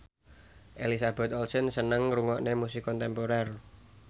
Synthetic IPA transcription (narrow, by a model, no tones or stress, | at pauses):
ʔelisab̥ɛ̤t̪ɔlsənsənəŋruŋɔʔnemusikɔnt̪ɛmpoɾɛr